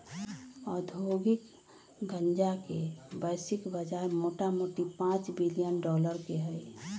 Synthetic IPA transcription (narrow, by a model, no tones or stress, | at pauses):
ɔːɾd̪ʱoːɡɪk | ɡə̃nd͡ʒakebəɪsɪkbəd͡ʒaɾmoːʈamoʈipãːt͡ʃbilijənɖɔːləɾkeɦɛe